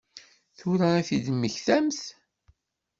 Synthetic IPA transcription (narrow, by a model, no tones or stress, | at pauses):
θʊɾaæθid̪mːəçθæmθ